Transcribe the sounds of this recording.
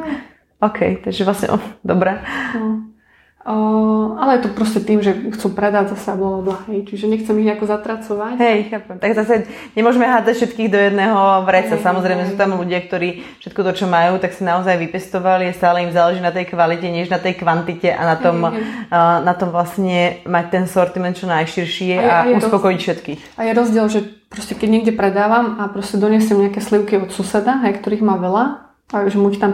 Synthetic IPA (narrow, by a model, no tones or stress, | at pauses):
ɔːkʰɛ̰jt̪aɡʒɛʋlasɲɛ̰ʔɔ̰d̪ɔbɾɛ | alɛjɛt̪ɔpɾɔscɛt̪iːmʒɛxt͡supɾɛd̪aɟzasɛabɔabɔɦɛjt͡ʃiʒɛɲɛxt͡sɛmiɣɲɛakɔzat̪ɾat͡sɔʋacɦɛjxaːpɛmt̪aɡzasa | ɲɛmʊɔʒɛmɛɦaːd͡zacfʃɛt̪kiːɣd̪ɔjɛd̪nɛːɦɔʋɾɛt͡sasamɔzɾɛɪjmɛs̬uːt̪amluɟɪak̚t̪ɔɾiːfʃɛt̪̚kɔt̪ɔt͡ʃɔmajuːt̪aksinaɔzajʋipɛst̪ɔʋaliast̪aːlɛimzaːlɛʒinat̪ɛjkʋalicɛɲɪɛʒnat̪ɛjkʋant̪icɛʔa̰nat̪ɔm | nat̪ɔmʋlasɲɛmac̚t̪ɛnsɔɾt̪imɛnt̪̚t͡ʃɔnajʃiɾʃɪɛauspɔkɔjicfʃɛt̪kiːxajɛɾɔzɟɪɛlʒɛpɾɔscɛkɛɟɲɛɡɟɛpɾɛd̪aːʋamapɾɔscɛd̪ɔɲɛsjɛmɲɛakɛːsliʊkiɔt̪susɛd̪aɦɛjkt̪ɔɾiːɣmaːʋɛla | aʒɛmuct̪am